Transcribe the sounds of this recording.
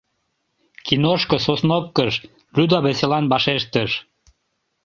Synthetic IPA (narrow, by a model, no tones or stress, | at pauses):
kinoʃkososnop̚kəʃ | lyd̪ɑβeselɑnbɑʃeʃt̪əʃ